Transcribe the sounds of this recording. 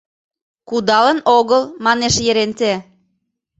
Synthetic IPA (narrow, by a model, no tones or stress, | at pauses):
kud̪ɑlə̆noɣəlmɑneʃjĕɾent̪e